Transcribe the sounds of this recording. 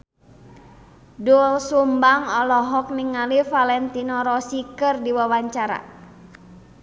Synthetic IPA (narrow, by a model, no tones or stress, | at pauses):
dulsumbaŋɔlɔɦɔk̚niŋalifalɛnt̪inɔɾɔsikərdiwawaɲt͡ʃaɾa̰